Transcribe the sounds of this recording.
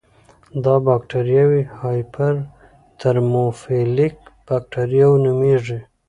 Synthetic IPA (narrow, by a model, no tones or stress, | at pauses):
d̪ɑbɑkʈaɾjawihɑjpʰaɾ | t̪əɾmofelikb̥ak̚ʈaɾjawnumeʐi